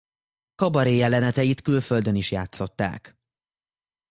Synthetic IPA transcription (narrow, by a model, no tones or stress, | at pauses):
kɒbɒɾeːjɛlɛnɛt̪ɛjit̪kylfø̞ld̪øniʃjaːt̪so̞t̪ːa̰ːk